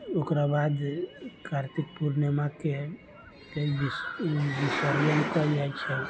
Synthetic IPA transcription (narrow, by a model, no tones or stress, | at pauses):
okɾabad̪kʰaɾt̪ik̚puɾnəmake | keibibisəɾd͡ʒənkɔid͡ʒait͡ʃʰɛ